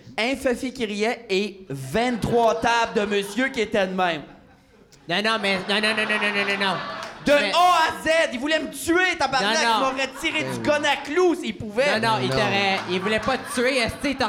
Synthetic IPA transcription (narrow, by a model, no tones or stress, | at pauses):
ɛ̃fɛfikʲiʁjɛevɛ̃t̪χwat̪ab̚d̪əməsjøkʲiet̪ɛd̪mɛ̃m | nɔ̃nɔ̃mɛnɔ̃nɔ̃nɔ̃nɔ̃nɔ̃nɔ̃nɔ̃nɔ̃d̪əoazɛd̪ivulɛmət̪yet̪ãpaʁ̃ãmɔʁɛt̪iʁezykɔnaklusilpuvɛnɔ̃it̪əʁɛilvulɛpʌt̪t͡syeɛssit̪ə